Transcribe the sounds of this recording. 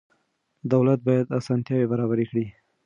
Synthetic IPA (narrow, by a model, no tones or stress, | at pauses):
d̪awlat̪̚bɑjad̪asɑnt̪jɑwebaɾɑβaɾekɽi